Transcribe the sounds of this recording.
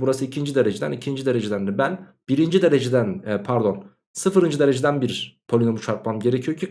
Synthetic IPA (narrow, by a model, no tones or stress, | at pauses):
buɾasɯicʰind͡ʒid̪e̞ɾed͡ʒed̪ænicʰind͡ʒid̪e̞ɾed͡ʒed̪ænd̪ɛbæn | b̥iɾind͡ʒid̪e̞ɾed͡ʒed̪ænːpʰæɾd̪o̞n | sɯfɯɾɯnd͡ʒɯd̪eɾe̞d͡ʒed̪ænbiɾpʰolʲinomut͡ʃʰaɾk̪̚mamɟe̞ɾecʰijocʰi